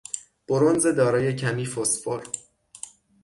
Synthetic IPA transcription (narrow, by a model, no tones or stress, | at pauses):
b̥oɾonzed̪ɒːɾɒːje̞cʰæmiːfosfoɾ